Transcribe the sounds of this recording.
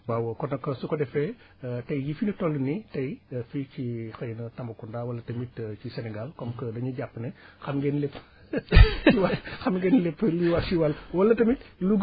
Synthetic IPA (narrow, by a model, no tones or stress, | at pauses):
wawɔkɔnɐkɐsukɔdɛfɛ | tɐjjifinitɔlːunitɐjficixɐjnɐtɐmbɐkundaːwɐlːɐtɐmitt͡ʃisɛnɛɡalkɔmkədɐɲuɟapːənɛxɐmɡɛnlepː | iwaxɐmɡɛnlepːliwat͡ʃiwɐlwɐlːɐtɐmit̚luɡ